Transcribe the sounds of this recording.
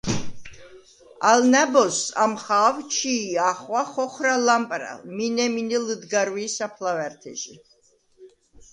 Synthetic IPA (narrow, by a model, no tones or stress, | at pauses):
alnæbɔsa̰mχaːvt͡ʃʰiːaχwaχɔχɾalampʼɾa̰lminɛminɛləd̪ɡaɾwiːsapʰlavɛɾt̪ʰɛ̰ʒi